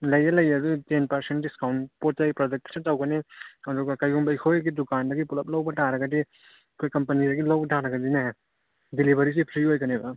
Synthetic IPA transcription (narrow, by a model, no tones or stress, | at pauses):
lɐjɐlɐjɐdutenpɐɾsent̚diskawnpotajpɾod͡ʒek̚tɐ̥setawɡɐniɐduɡɐkajumbɐjkʰojɡidukandɐɡipulɐp̚lawbɐtaɾɐɡɐdi | kʰojkɐmpɐnidɐɡilawbɐtʰaɾɐɡɐdina | dilibʱɐɾis̬ipʰɾiɦojkɐnebɐ